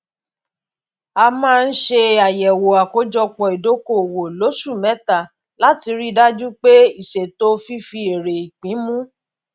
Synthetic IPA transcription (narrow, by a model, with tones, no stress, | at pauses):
a˧mãː˦˧n̩˦ʃe˧a˨jɛ˨wo˨a˨ko˦d͡ʒɔ˧k͡pɔ˨i˨do˨˦ko˦˨wo˨lo˨˦su˦˨mɛ̃˨˦ta˦˨ | la˦ti˧ɾi˦da˦d͡ʒu˦k͡pe˦i˦˨ʃe˨to˦fi˦fi˧e˨ɾe˨i˨k͡pĩ˨˦mũ˦